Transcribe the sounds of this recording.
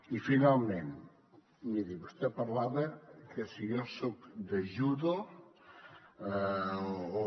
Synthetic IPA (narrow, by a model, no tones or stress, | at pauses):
ifinalˠmẽn | miðiβost̪epɐɾlaβɐkʰəsiosokd̪ɐʒuðo | o